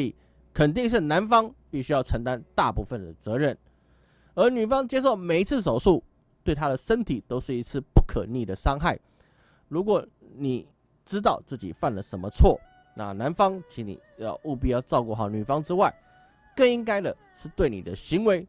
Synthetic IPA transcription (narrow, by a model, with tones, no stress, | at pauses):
i˨˩ | kʰə˨˩nt̪̬i˥˧ŋʂ̬ɻ̩˥˩na˧˦˥nfɑ˥ŋpi˥˩ɕy˥jɑ˥˩ʊʈ͡ʂʰə˧˥ŋt̪a˦˥nt̪a˥˧pu˥˧fə˨nd̪ə˩t͡sɤ˧˥ɻə˥˩n | ə˞˧˥ny˨˩fɑ˥ŋt͡ɕjɛ˥ʂ̬o˥˩ʊme˨˩ɪi˧˥t͡s̩ʰ˥˩ʂ̬o˨˩ʊʂu˥˩ | t̪we˥˩ɪt̪ʰa˥ɾə˨ʂə˥nt̪ʰi˨˩t̪o˥ʊʂɻ̩˥˩i˧˥t͡sʰɹ̩˥˩˨pu˥˩kʰə˨˩ni˥˩d̪ə˩ʂɑ˥ŋxa˥˩ɪ | ɻu˧˥kwɔ˨˩ | ni˨˩˦ | ʈ͡ʂɻ̩˥t̪ɑ˥˧ʊt͡sɹ̩˥˩t͡ɕḭ˨˩fa˥˩nlə˨˩ʂə˧˥nmə˧t͡sʰwɔ̰˥˩ | na̰˥˨na˧˦nfɑ˥ŋt͡ɕʰi˧˥nḭ˨˩jɑ˥˧u˥˧p̬i˥˧jɑ˥˧ʊʈ͡ʂɑ˥˧ʊku˥˧xɑ˥˩ʊny˨˩fɑ˥ŋʈ͡ʂɻ̩˥wa˥˩ɪ | kə˥˩ŋi˥ŋka˥ɪd̪ə˨ | ʂɻ̩˥˧t̪we˥˩ɪnḭ˨˩d̪ə˦ɕi˧˥ŋwe˧˥ɪ